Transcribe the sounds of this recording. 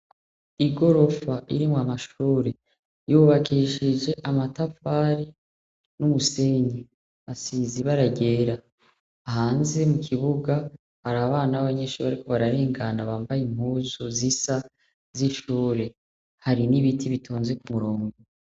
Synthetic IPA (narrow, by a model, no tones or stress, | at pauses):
iɡo̞ɾo̞faʔḭɾimoamaʃuːɾe | juβakʰiʃid͡ʒe̞ʔamatafaɾi | numuse̞ɲi | βasiziβaɾaɟe̞ːɾaː | haːnze̞mukʰiβuɡa | haɾaβaːnaβaɲe̞ʃuːɾaɾiko̞βaɾaɾeːŋɡanaβaːmbajimhuːzozisa | ziʃuːɾe̞ | haɾiniβitʰiβitʰoːnze̞kumuɾo̞ːŋɡo